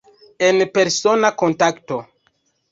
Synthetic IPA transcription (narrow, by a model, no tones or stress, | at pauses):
enpe̞ɾso̞nakontakto